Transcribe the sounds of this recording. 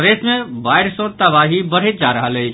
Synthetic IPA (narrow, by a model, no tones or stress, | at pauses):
ʋesmebajɾsɔ̃t̪əbaɦibəɽ̤et̪̚d͡ʒaɾəɦələj